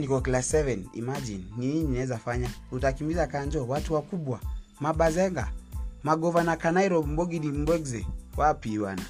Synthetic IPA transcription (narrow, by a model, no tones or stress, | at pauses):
nikɔklassɛvɛnḭmad͡ʒinːiɲinaɛzafaɲahutakimbizakaɲd͡ʒɔwatuwakuɓwamaɓazɛŋɡa̰maɡɔvanakanaiɾɔm̩bɔɡiɗim̩ɡwɛɡzɛwapiwana